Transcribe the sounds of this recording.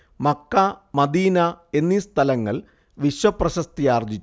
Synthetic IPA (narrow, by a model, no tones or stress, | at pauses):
mɐkːɐmɐd̪iːnɐe̞nːist̪ʰɐlɐŋːɐ̰ɭ | ʋiɕwɐprɐɕɐst̪ijaːrd͡ʑit͡ɕː